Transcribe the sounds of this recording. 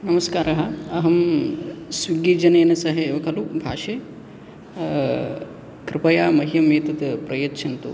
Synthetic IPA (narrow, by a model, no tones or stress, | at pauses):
nɐmɐskaːɾɐɦɐɐɦɐm | sʋiɡiːd͡ʒɐneːnɐsɐɦeʋɐkʰɐlubʱaːʃeː | kɾɪpɐjaːmɐɦijɐmeːt̪ɐt̪pɾɐjɐtːʃʰɐnt̪ṵ